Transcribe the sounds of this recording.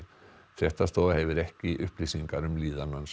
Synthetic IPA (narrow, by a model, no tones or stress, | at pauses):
θjɛht̪ast̪ɔːðahɛvɪɾɛhcɪʔʏhplisiŋkaɾʏmliːðanːans